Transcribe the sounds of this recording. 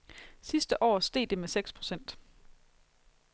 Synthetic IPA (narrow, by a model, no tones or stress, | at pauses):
sisd̥əʔɒ̰ːsd̥e̝̰ːd̥e̝meseɡ̥spʰʁo̝sen̰d̥